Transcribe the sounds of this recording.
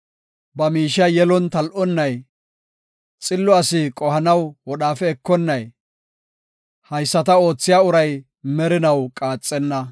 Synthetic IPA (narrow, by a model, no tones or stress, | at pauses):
bɐmiːʃɐjɛlɔnt̪ɐlʔɔnːɐj | t͡sʼɪlːɔɐsɪkʼɔhɐnɐwwɔɗaːfɛːkːɔnːɐj | hɐjsːɐt̪ɐo̞ːt͡sːɪjaːʊɾɐj | mɛɾɪnɐwkʼaːt͡sʼːɛnːɐ